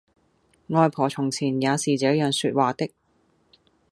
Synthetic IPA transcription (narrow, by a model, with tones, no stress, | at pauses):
ŋɔː˨˧jpʰɔː˨˩t͡sʰʊ˨˩ŋt͡sʰiː˨˩njaː˨˧siː˨˩t͡sɛː˨˥jœː˨ŋsyː˧t̚waː˨t̪ɪ˥k̚